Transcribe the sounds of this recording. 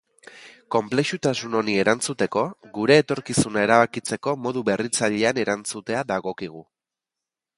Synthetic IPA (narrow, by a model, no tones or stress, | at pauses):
ko̞mple̞ʃut̪asuno̞nie̞ɾant͡sut̪e̞ko̞ɣuɾe̞ːt̪o̞ɾkisunae̞ɾaβakit͡se̞ko̞mo̞ðuβe̞rit͡saʎe̞ane̞ɾant͡sut̪e̞aðaɣo̞kiɣ̞u